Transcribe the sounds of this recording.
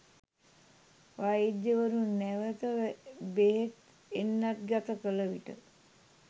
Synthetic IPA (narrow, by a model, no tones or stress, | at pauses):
ʋajidːəʋəɾunːæʋət̪əʋbeɦet̪ | enːat̪̚ɡat̪əkələʋiʈə